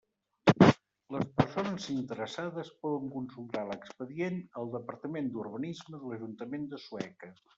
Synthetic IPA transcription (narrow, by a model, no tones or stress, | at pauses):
ləspəɾsonəzint̪əɾəsaðəspɔðəŋkunsulˠt̪aləkspəðienəlˠd̪əpəɾt̪əmend̪urβənizməðələʒunt̪əmend̪əsuɛkə